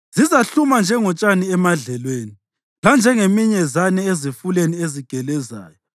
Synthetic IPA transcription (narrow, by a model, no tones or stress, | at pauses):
z̥izaɬumand͡ʒʱɛŋɔt͡ʃʼaniɛmaɮɛlweːni | land͡ʒʱɛŋemiɲɛzanɛezifulenieziɡ̥ʱɛlɛza̰ːjɔ